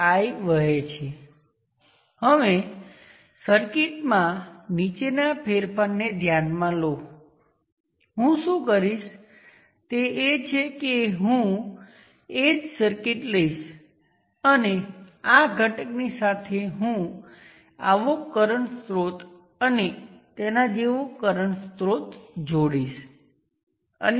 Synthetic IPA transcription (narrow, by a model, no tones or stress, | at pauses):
ajʋəɦet͡ʃʰe | ɦəʋe | səɾkiʈmãnit͡ʃenapʰeɾpʰənnːed̪ʱjanmãlo | ɦũʃũkəɾiʃ | t̪eːt͡ʃʰekeɦũ | ed͡ʒsəɾkiʈləiʃ | əneaɡʱəʈəknisat̪ʰeɦũ | a̰ʋokəɾəɳst̪ɾot̪ | ənet̪enad͡ʒeʋokəɾəɳst̪ɾot̪d͡ʒoɽiʃ | ə̰n